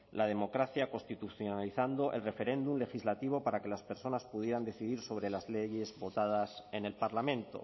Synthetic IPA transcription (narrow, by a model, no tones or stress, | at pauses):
lʔað̞e̞mo̞kɾaθjako̞nst̪it̪uθjonaliθand̪o̞ʔe̞lre̞fe̞ɾe̞nd̪umle̞xizlat̪iβ̞o̞paɾake̞laspe̞ɾso̞naspuðje̞ɾand̪e̞θiðiɾso̞βɾe̞lazleʝe̞zβo̞t̪að̞ase̞ne̞lpaɾlamẽ̞nt̪o̞̰